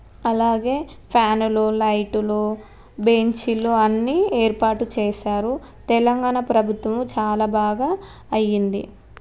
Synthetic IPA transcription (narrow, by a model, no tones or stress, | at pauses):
ɐlaːɡe̞ː | pʰjaːnululɐjʈulu | beɲt͡ʃiluɐnːiːeːɾpaːʈut͡ʃeːʃaːɾu | t̪ɛlɐŋɡaːɳɐpɾɐbʱut̪ʋɐmt͡ʃaːlaːbaːɡaː | ɐjːind̪ḭ